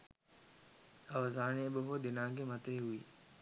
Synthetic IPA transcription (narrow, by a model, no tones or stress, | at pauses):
ɐʋzaːnẽbɪɦoːd̪ɪnãːɡemət̪ɾeɦʊḭː